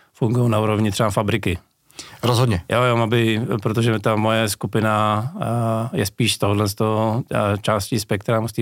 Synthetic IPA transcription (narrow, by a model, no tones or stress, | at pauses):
fuŋɡujownauːɾovɲɪt̪r̥ɛbafabɾɪkɪ | ɾozɦod̪ɲɛjojomabɪpɾot̪̬oʒɛt̪amojɛskupɪna | jɛ̰spiːʃt̪oɦodlɛnst̪ot͡ʃaːscispɛk̚t̪ɾamust̪i